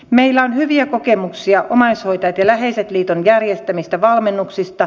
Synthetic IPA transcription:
meilːæonɦyʋiæko̞kemuksiɑʔomɑisho̞jt̪ɑjɑt̪jɑlæɦeiset̪liːt̪onjærjest̪æmist̪æʋɑlmenːuksist̪ɑ

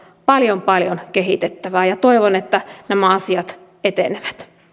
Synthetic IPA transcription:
pɑljompɑljonkeɦit̪et̪ːæʋæːjɑt̪oiʋonet̪ːænæmæɑsiɑt̪ | et̪eneʋæt̪

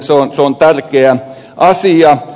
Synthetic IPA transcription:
seonseont̪ærkeæ | ʔɑsiɑ

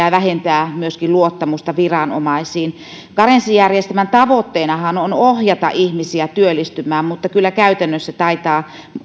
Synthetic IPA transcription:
æːʋæhent̪æːmyøskiluot̪ːɑmust̪ɑʋirɑno̰mɑisiːn | kɑrensijærjest̪æmænt̪ɑʋot̪ːeːnɑhɑnonohjɑt̪ɑ̰ʔihmisiæt̪yølːˑist̪ymˑæːmmut̪ːɑkylːækæyt̪ænːøsːæt̪ɑit̪ɑː

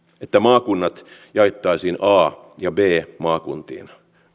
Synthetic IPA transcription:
et̪ːæmɑːkunːɑt̪jɑit̪ːɑisiːnɑː | jɑbeːmɑːkunt̪ḭːn

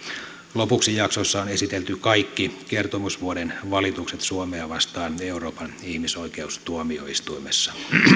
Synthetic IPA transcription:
lopuksijɑksosːɑonesit̪elt̪ykɑikːikert̪omusʋuodenʋɑlit̪ukset̪suomeɑʋɑst̪ɑːneuroːpɑnihmisoikeust̪uomio̰ist̪uimesːɑ̥

